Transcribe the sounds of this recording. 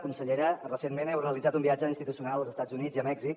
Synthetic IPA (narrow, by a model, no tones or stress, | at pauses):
kunsəʎeɾərəsenmenɛwreəlid͡zat̪umbiad͡ʒəinst̪it̪usiunalˠəlˠzəst̪ad͡zuniziəmɛɡzik